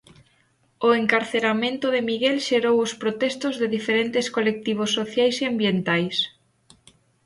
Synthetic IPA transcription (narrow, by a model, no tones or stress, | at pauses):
oeŋkaɾθeɾamẽnt̪ʊðemiɣɛlʃeɾowʊspɾot̪ɛst̪ʊzðeðifeɾent̪ɪskolek̚t̪iβ̞osːoθjajseambjent̪ajs